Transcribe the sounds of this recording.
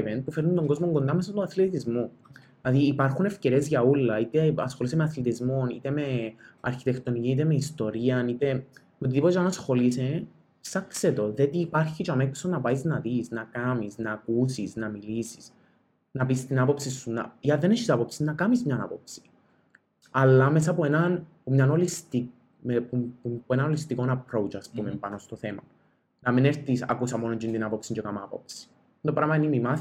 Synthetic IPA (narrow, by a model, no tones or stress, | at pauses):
ven̚pufeɾnːund̪o̞ŋɡo̞zmo̞ŋɡo̞nd̪ɐme̞s̬ɐst̪unɐθlet̪izmu | lɐðiːpɐɾxune̞fce̞ɾie̞zʝɐulːɐit̪eɐsxo̞lis̬emeɐθlet̪izmo̞nḭt̪e̞me̞ɐ̰ɾçit̪ekt̪o̞niciit̪e̞meist̪o̞ɾiɐnit̪e̞ | met̪iðipot̪t͡ʃanɐsxo̞lise | sɐkset̪o̞ðet̪iːpɐɾçit͡ʃameksonɐpɐiznɐðisnɐkɐmisnɐːkusisnɐmilisi̥s | nɐpist̪inapopsisːuna̰jɐðenet͡ʃisapopsinɐkamizmɲana̰popsi̥ | ɐlːɐmes̬ɐpuenɐnpumɲanolist̪i | ppuenanolist̪iko̞napɾowt͡ʃaspumempanost̪oθemɐ | nɐmineɾt̪isa̰kusɐmonoɲd͡ʒind̪inapopsiɲd͡ʒekamapo̰psi̥ | d̪opɾaːmɐinimimaθ